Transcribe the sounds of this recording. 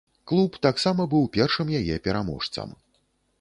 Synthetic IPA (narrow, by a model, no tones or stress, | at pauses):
klˠupt̪aksamɐbɨwpʲɛrʂɨmjajɛpʲɛɾamɔ̰ʂt̪sɐ̰m